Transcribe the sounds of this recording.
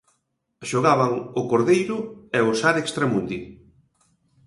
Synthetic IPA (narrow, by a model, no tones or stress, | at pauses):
ʃoɣaβaŋʊkoɾðejɾʊɛosaɾekst̪ɾamund̪i